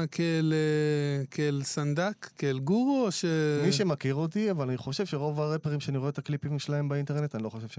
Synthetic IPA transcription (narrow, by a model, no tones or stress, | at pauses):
kʰelekʰeelsand̪akːlɡuʁoʃemiʃemakiʁo̞t̪iavalaniχo̞ʃe̞vʃe̞ʁo̞vaʁepeʁimʃeaniʁeetaklipimʃelahe̞mbainte̞ne̞t̪aniloχo̞ʃe̞v̥ʃe